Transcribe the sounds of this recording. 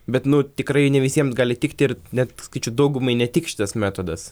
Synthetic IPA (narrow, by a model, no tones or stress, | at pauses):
bʲɛt̪nʊt̪ʲɪkɾɐɪnʲɛʋʲɪsʲiɛmsɡɑːlʲɪt̪ʲɪkt̪ʲɪrnʲɛt̪sɐkɐɪt͡ʃʲɛʊd̪ɐʊɡʊmɐɪnʲɛt̪ʲɪkʃʲɪt̪ɐsmʲæːt̪oːd̪ɐs